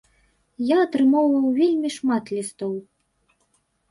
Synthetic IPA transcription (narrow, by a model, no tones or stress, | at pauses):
jaɐt̪ɾɨmɔwvɐwvʲelʲmʲiʂmat̪lʲist̪ɔw